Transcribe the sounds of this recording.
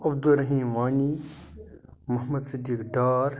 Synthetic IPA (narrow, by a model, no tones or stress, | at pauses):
ɐb̚d̪uɾɐɦiːmʋaːɲi | mɐɦmɐd̪sɪd̪iːkɖaːɾ